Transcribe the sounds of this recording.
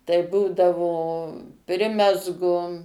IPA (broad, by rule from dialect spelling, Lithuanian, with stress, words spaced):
tɐɪ ˈbuːdɐʋoː ˈpʲrʲɪmʲɛzɡʊ